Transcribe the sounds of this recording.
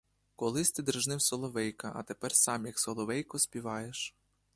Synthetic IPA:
kɔlˠɪsʲt̪ɪd̪ɾɪʒnɪwsɔlˠɔʋɛjkɐʔɐ̰t̪epɛrsɑmjɐksɔlˠɔʋɛjkɔsʲpʲiʋɑjeʃ

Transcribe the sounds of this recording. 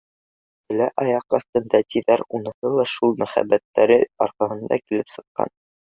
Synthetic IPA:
b̪ɘ̆læʔɑjɑqɑθt̪ɤ̆nd̪æt̪iðæɾunɤ̆hɤlˠɑʃulˠmæχæ̰bːæt̪ːæɾɘɒɾqɑɦɤ̆nd̪ɑ̰kilɘpsɤ̆qːɑ̰n

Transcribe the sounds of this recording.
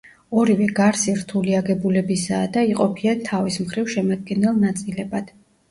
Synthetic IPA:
ɔɾivɛɡaɾsiɾt̪ʰuliaɡɛbulɛbisaːd̪aiqʼɔpʰiat̪ʰavismχɾivʃɛmad̪̚ɡɛnɛlˠnat̪sʼilɛbad̪̥

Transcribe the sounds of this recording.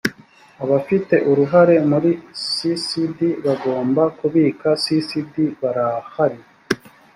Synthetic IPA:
aβafite̞ʔuɾuɦaɾe̞muɾisisidiβaɡo̞ːmbakuβiːkasisidiβaɾahaɾi

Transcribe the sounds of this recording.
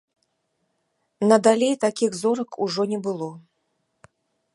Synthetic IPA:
nɐd̪alʲejt̪akʲiɣzɔɾɐkʰuʐɔnʲɛbɨlˠɔ

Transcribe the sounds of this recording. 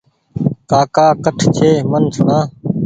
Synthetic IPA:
kaːkaːkəʈʰt͡ʃʰeːmənsnãː

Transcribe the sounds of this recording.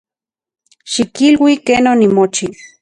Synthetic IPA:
ʃikilwikeːnonimot͡ʃi

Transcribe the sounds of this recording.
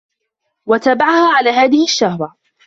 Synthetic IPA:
wat̪aːbaʕahaːʕalaːhaːðɪhɪʃːahɾˤɑ

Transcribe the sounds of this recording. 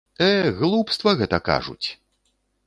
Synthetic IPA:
ɛɣlˠupst̪vɐɣɛt̪ɐka̰ʐṵt͡sʲ

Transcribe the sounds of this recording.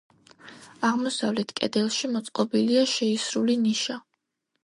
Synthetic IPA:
aʁmɔsavlɛt̪ʰkʼɛ̰d̪ɛlˠʃimɔt̪sʼqʼɔbiliaʃɛisɾuliniʃa

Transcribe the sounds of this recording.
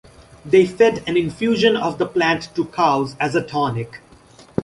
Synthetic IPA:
d̪eːfɛɖæ̃nɪ̃nfjuːʒə̃nɔvd̪əplæ̃nʈːukʰaʊzæzəʈʰɔːnɪk

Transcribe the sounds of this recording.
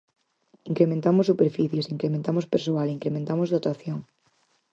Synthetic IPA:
iŋkɾemẽnt̪amosupeɾfiθjesiŋkɾemẽnt̪amospeɾsoaliŋkɾemẽnt̪amozðot̪aθjoŋ

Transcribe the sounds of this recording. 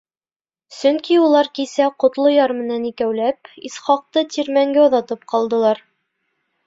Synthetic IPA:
sɵŋkiulˠɑɾkisæqŏt̪lˠojɑɾmɘ̆nænikæwlæpisχɑq̚t̪ɤt̪ʲiɾmæŋɡæuðɑt̪ɤp̚qɑlˠd̪ɤ̆lˠɑɾ

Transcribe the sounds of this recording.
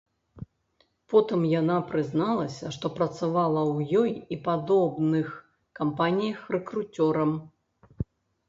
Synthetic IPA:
pɔt̪ɨmjanapɾɨznalˠɐsʲɐʂt̪ɔpɾɐt̪savalˠɐwjɔjipad̪ɔbnɨx | kampanʲijɐxrɛkɾut͡sʲɔɾɐm

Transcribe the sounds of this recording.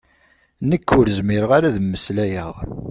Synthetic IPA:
nəkːʊɾzmɪɾəʁaɾæðəmːəslæjə̰ʁ

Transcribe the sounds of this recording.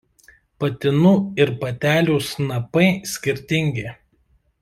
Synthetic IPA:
pɐt̪ʲɪnuːɪɾpɐt̪ʲæːlʲuːsnɐpɐɪsʲkʲɪɾʲt̪ʲɪŋʲɡʲe

